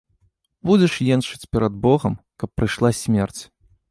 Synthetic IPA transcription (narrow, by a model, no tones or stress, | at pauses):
bud͡zʲɛʂjɛnʂɨt͡sʲpʲɛɾɐd̪̚bɔɣɐmkɐpːɾɨʂlˠasʲmʲɛrt͡sʲ